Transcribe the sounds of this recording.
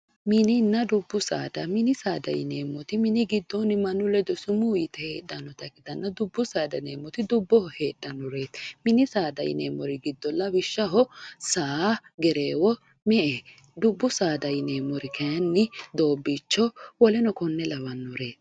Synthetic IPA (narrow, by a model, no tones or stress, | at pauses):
mɪnɪnːɐd̪ʊbːʊsa̰ːd̪ɐmɪnɪsaːd̪ɐ̰jɪ̰neːmːɔt̪ɪmɪnɪɡɪd̪ːɔnɪmɐnʊlɛd̪ɔsʊmʊːjɪt̪ɛheːɗːɐnːɔt̪ɐɡɪd̪ɐnːɐd̪ʊbːʊsaːd̪ɐneːmːɔt̪ɪd̪ʊbːɔhɔhe̞ːɗːɐnːɔɾe̞ːt̪mɪnɪsaːd̪ɐjɪ̰neːmːɔɾɪɡɪd̪ːɔlːɐwɪʃːɐɦɔsaːɡɛɾeːwɔ | mɛʔe | d̪ʊbːʊsaːd̪ɐjɪneːmɔɾɪkɐjɐnːɪd̪o̞ːbːit͡ʃːɔwɔlɛnɔkɔnːɛlɐwɐnːɔɾe̞ːt̪